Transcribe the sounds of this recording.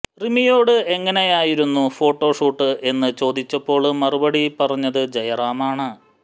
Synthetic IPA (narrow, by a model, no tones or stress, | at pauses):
rimijo̞ːɽɨe̞ŋːɐne̞jaːjiɾunːufo̞ːʈːo̞ːʂuːʈːɨʔe̞nːɨt͡ɕo̞ːd̪it͡ɕːɐpːo̞ːɭmɐrubɐɽipɐrɐɲːɐðɨd͡ʑɐjɐraːmaːɳɨ